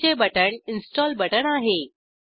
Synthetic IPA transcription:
t͡ɕebəʈəɳɪnsʈɔːlbəʈəɽ̃aːɦeː

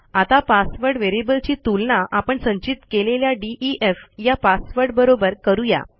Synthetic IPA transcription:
at̪apasʋəɾɖʋeɾebəlt͡ɕiːt̪ulɳaʔapəɳsə̃ɲt͡ɕit̪keleljaɖiʔiʔefjapasʋəɾɖbəɾobəɾkəɾuja̰

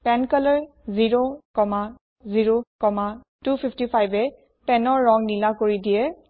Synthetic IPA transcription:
pɛnkaləɹ | ziɹokɔma | ziɹokɔma | tupʰipʰtipʰajbɛ | pɛnɔɹːɔŋnilakoɹidijɛ

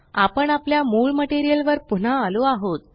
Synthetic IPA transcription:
apəɳapljamuɭməʈeɾijəlʋəɾpun̤aːloaɦot̪̚

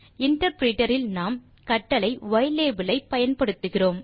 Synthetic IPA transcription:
ɪɳʈɐɾpɾiːʈɐɾɪlnaːm | kɐʈːɐlɐɪʋɐɪleːbɯlɐɪpːɐjɐnpɐɽɯt̪ːɯɣɪroːm

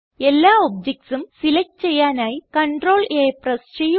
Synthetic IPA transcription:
e̞lːaːob̚d͡ʑɐk̚ʈsumsilɐkːt͡ɕe̞jːaːnaːjikɐɳɖro̞ːɭʔeːprɐst͡ɕeju

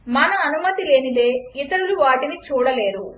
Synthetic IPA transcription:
mɐnɐːnumɐt̪ile̞ːnile̞ːit̪ɐɾuluʋaːʈinit͡ʃuːɽɐle̞ːɾu

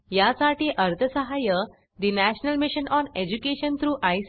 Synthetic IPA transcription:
jasaʈiːʔəɾt̪ʰəsəɦajə | d̪inæɕnəlmiɕənɔned͡ʑukeɕənt̪ʰɾuːʔajs

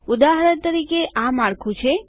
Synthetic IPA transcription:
ʊd̪aɦɾəɾt̪əɾikeʔamaɽkʰũt͡ʃʰe

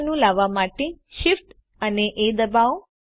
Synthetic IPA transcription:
nũlaʋamaʈeʃifʈ | əneʔed̪əbaʋ

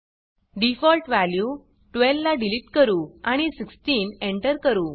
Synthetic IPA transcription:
ɖifɔlʈʋælju | ʈʋelʋlaɖiliʈkəɾuːaɽ̃isiksʈiːneɳʈəɾkəɾuː

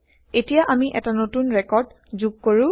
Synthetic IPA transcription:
etijaʔamiʔɛtanotunɹɛkɔɹd | zuɡ̚koɹʊ̃

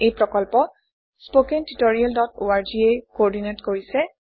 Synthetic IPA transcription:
ejpɹɔkɔlpɔ | spokentitoɹialdɔtoaɹd͡ʒiejkɔɹdinetkoɹisɛ

